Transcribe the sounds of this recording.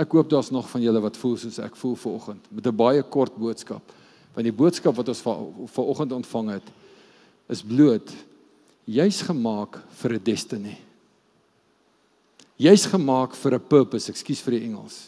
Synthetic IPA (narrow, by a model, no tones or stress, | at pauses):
ækɦuəp̚dɑːsnɔχfɐnjələvɐtfulˠsuəsæ̰kfulˠfərɔχəntmətəbɐjəkɔrt̚buətskɐ̰p | vɐndibuətskɐpvɐtɔnsffərɔχəntɔntfɐŋɦət | əsbluət | jœɥsχəmɑːkfəɾədɛstəni | jœɥsχəmɑːkfəɾəpəːpəsækskisfəɾdiɛŋə̰lˠs